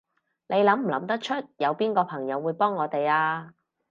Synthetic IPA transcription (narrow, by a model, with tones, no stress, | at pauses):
ne˨˧jlɐ˨˥m̩˨˩lɐ˨˧˥mt̪ɐ˥k̚t͡ʃʰɵ˥t̚jɐ˨˧wpiː˥nkɔː˧pʰɐ˨˩ŋjɐ˨˧wːuː˨˧jpɔː˥ŋːɔː˨˧t̪e˨jaː˧